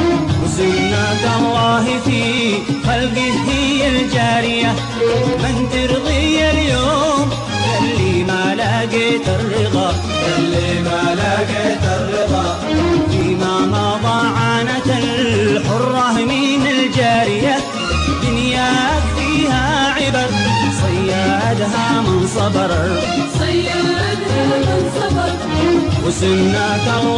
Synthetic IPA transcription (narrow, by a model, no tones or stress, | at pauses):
wzɪnaːd̪alˤːɑːɦɪfiː | xalɡɪhɪald͡ʒaːɾɪja | mɪnt̪ɪɾðˤijaljoːm | jalːimaːlaɡet̪ɪɾːɪɣɑ | jalːi | malaɡet̪ɪɾːɪðɑ | fiːmamɑðˤɑːʕaːnat̪aħʊrˤːɑhmiːnald͡ʒaːɾɪja | d̪ʊnjaː | fiːhaʕɪbaɾsˤɑjːaʔad̪ɦamɪnsˤɑbɪɾ | sˤajːaad̪hamɪnsˤɑbɾ | wɪsʊnːat̪a